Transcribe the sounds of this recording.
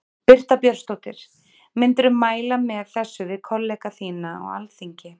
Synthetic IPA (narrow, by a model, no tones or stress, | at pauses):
pɪr̥t̪apjœɾ̥st̪owt̪ɪɾ̥ | mɪnt̪ɾʏmaːjlamɛɣθɛsːʏvɪðkʰɔlːɛkaθiːnaɔ̰ɣa̰lθiɲcɪ